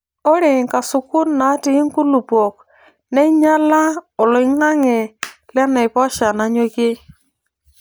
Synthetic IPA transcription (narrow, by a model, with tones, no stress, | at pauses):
ɔ˦ɾe˨ŋka˨sʊ˨kʊ˦nna˨˦tɪ˦ŋku˦lu˨po˨k | nɛ˦ɲa˦la˦ɔ˨lɔ˨i˦ŋa˦ŋɛ˨lɛ˦nɛ˨ɪ˨pɔ˦ʃa˨na˨˦ɲo˦ke˦